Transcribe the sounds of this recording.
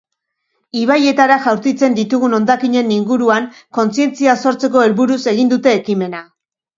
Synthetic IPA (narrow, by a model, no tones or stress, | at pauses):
iβ̞aje̞t̪aɾaʝawɾt̪it͡se̞nd̪it̪uɣuno̞nd̪akiɲe̞niŋɡuɾuaŋko̞nt͡sie̞nt͡siaso̞ɾt͡se̞ko̞e̞lβuɾuse̞ɣ̞ind̪ut̪e̞ːkime̞na